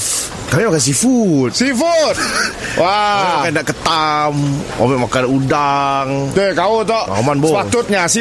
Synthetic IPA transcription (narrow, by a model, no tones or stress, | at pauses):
kamimakans̬ifut̪sifut̪̚waakandaʔkət̪amʔa̰mɛʔmakanudaŋt̪ekaut̪ɔa̰manbopat̪ʊt̪̚ɲasi